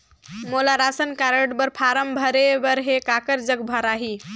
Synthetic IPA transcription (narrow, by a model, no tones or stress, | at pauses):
molaɾasənkaɾəɖbəɾpʰaɾəmbʱəɾebəɾɦekakəɾd͡ʒəɡbʱəɾaɦi